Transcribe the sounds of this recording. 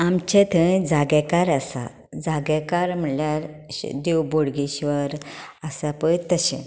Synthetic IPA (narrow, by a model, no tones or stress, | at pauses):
amt͡ɕɛ̃t̪ʰə̃d͡zaɡɛ̃kaɾəsa̰ | d͡zaɡɛkaɾm̤əljaɾ̰d̪ewboɽɡiɕʋəɾəsapəjt̪əɕɛ̃